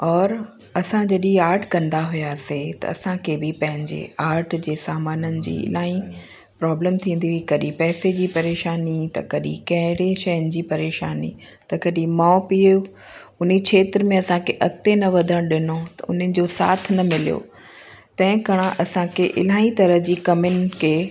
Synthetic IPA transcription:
ɔːɾ | ɐsãd͡ʑɐɗĩaːɾʈʰkɐ̃nd̪aɦʊjaset̪ɐ̰ɐ̰sãkʰebɪpɐ̃ɦɪ̃ɲd͡ʑḛaːɾʈʰd͡ʑeːsaːmaːnənɪ̆d͡ʑḭːɪ̰laːĩ | pɾaːbləmt̪ʰĩːnd̪iɦʊikɐɗĩpɛːsed͡ʑiːpɐɾeːʃaːnit̪ɐ̰kɐɗĩkɐ̃ɦɪɽeʃɐjənɪ̆d͡ʑiːpɐɾeːʃaːnḭ | t̪ɐkɐɗĩmaːpio | ʊnit͡ɕʰeːt̪ɪɾmẽɐsãkʰeʔɐkt̪enɐʋɐd̪ʱə̃ɽ̃ɗɪnot̪ɐ̰ʊn̤ənɪ̆d͡ʑosa̰ːt̪ʰnɐmɪlijo̰ː | t̪ɐ̃ɦɪ̃kɐɽ̃ãʔɐsãkʰeʔɪ̰laːĩt̪ɐɾəɦd͡ʑiːkɐmɪnɪ̆kʰeː

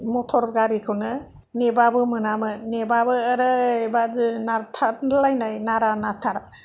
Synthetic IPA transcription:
mɔtʰɔɾɡaɾikʰɯnɯ | nebabɯmɯnamɯnebabɯːɾɯebazɯnatʰaɾlajnajnaɾanatʰaɾa

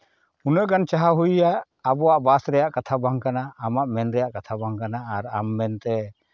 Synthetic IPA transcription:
unəʔɡant͡ʃaɦaɦujjaʔː | bɔwaʔbasɾɛjaʔkat̪ʰabaŋkanaːmaʔmɛnɾɛjaʔkat̪ʰabaŋkanaːɾamːɛnt̪ɛ

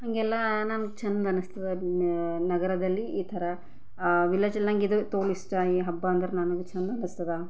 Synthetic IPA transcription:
hɐŋɡɛlːɐnanɡut͡ʃɐnd̪ɐnɨst̪ɐd̪ɐ | nɐɡɐɾɐd̪ɐlːiiːt̪ʰɐɾɐ | ʋilɐːd͡ʒɐlːaŋɡid̪ut̪oːlisʈɐiɦɐbːɐːɐnd̪ɐɾenaːnuɡut͡ʃɐnd̪ɐnɨst̪ɐd̪ɐ

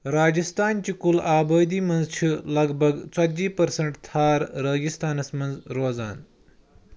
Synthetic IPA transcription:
ɾaːd͡ʑist̪aːnt͡ʃikulaːbəːd̪iːmɐnd͡zt͡ʃʰilɐɡbʱɐɡt͡sɐd͡ʑiːpɐɾsɐɳʈt̪ʰaːɾɾɐːɡist̪aːnɐsmɐnd͡zɾoːza̰ːn

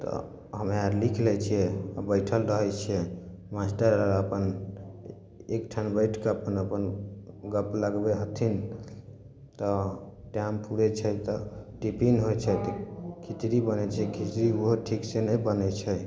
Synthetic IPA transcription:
t̪ɔ̰ | ɦəmeaɾlikʰlɛt͡ʃʰijɛa̰bəjʈʰəlɾəɦɛt͡ʃʰiɛ | masʈəɾəɾəpən | ekʈʰanbəjʈʰkeəpənəpənɡəpləɡbeɦət̪ʰin | t̪ɔʈjampuɾet͡ʃʰɛt̪ɔʈipinɦojt͡ʃʰɛt̪ɔkʰit͡ʃɾibənɛt͡ʃʰɛkʰit͡ʃɾiuɦoʈʰiksenəbənɛt͡ʃʰɛ

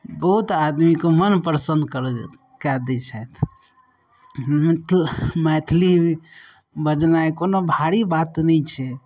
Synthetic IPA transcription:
bəɦut̪ad̪mikomənpɾəsənd̪kəɾ | kad̪ɛt͡ʃʰajt̪ʰ | mt̪ʰmɛt̪ʰli | bəd͡ʒnaekonobʱaɾibat̪nɛt͡ʃʰɛ

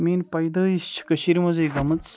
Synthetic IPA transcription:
miːnpɐjd̪ɐːist͡ʃʰi̥kɐʃiɾimɐzɐjɡɐmɐt͡s

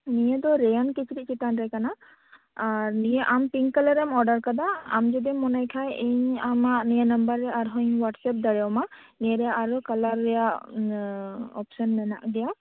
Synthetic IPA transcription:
nijɛd̪ɔɾɛjɔnkit͡ʃʰiɾiʔt͡ʃit̪anɾɛkana | aɾnijɛʔampiŋkalaɾɛmɔɾɖaɾkad̪aa̰md͡ʒɔd̪imɔnajkʰajeɲamaʔnijanambəɾːɛaɾɦɔɲwaʈsɛp̚d̪aɾɛwma | niɛɾɛjaʔaɾukalaɾːɛjaʔ | ɔpsɔnmɛna̰ʔdɛja

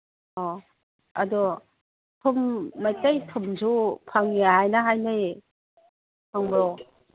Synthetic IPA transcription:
ɔ | ɐdu | tʰumːajtajtʰumzupʰaŋijaɦajnaɦajnɯj | pʰaŋbɾɔ

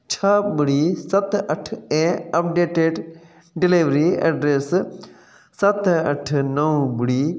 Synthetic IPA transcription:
t͡ʃʰɐbɪɽiːsɐt̪ɐʈʰẽːɐp̚ɖeːʈeːɖ | ɖɪliːʋɾiːeːɖɾeːsː | ɐt̪ɐʈʰnɐũbɪɽiː

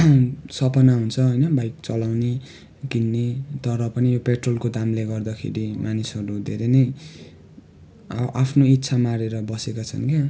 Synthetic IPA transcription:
sʌpʌnaɦunt͡sʰʌɦojnʌbajk̚t͡sʌlawne | kinːet̪ʌɾʌpʌnijopeʈrolkod̪amleɡʌrd̪ʌkʰḛɾimanisʌɾud̪ʱeɾenʌj | ʔapʰnoit̪ːsʰamaɾeɾʌbʌsekat͡sʰʌ̰nke

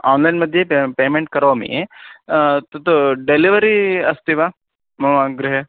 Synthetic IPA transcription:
aːnlɐjnmɐd̪ʱjepeːmẽɳʈ̚kɐɾoːmḭ | t̪ɐt̪uɖeliʋɐɾiɐst̪iʋa | mɐaɡɾiɦe

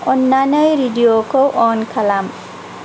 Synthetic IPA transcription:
ɔnːanʌjɾiɖijokoʔɔnkʰalam

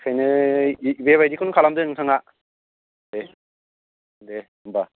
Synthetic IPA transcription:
kʰenɯ | ibeβaidd͡ʑikʰɯnɯkʰalamdɯɯŋsʰaŋa | ne | ne | ɯmba

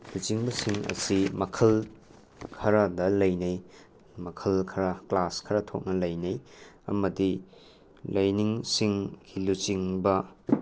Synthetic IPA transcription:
lut͡ʃiŋbɐsiŋɐ̰simɐkʰɐl | kʰɐɾɐdɐlɐjnɐj | mɐkʰɐlkʰɐɾɐklaskʰɐɾɐtʰo̰k̚nɐlɐjnɐjɐ̰mɐdi | lɐjniŋsiŋɡilut͡ʃiŋbɐ

